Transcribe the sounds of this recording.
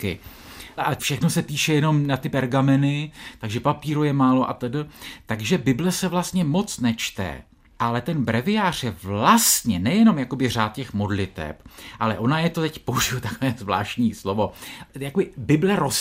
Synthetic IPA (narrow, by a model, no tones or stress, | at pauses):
kɪ̰ | afʃɛxno̞sɛpiːʃɛjɛno̞mnat̪ɪpɛɾɡamɛnɪt̪aɡʒɛpapiːɾojɛmaːlo̞ʔat̪ɛdl̩t̪aɡʒɛbɪblɛsɛvlast̪ɲɛmo̞t͡snɛt͡ʃt̪ɛ̰ | ʔalɛt̪ɛnbɾɛvɪjaːr̝̥jɛvlast̪ɲɛnɛjɛno̞mjako̞bɪr̝aːt̪cɛxmo̞dlɪt̪ɛ̰pʔalɛʔo̞najɛt̪ot̪ɛcpouʒɪjut̪akovɛːzvla̰ːʃcɲiːslo̞vo̞jakobɪbɪblɛɾos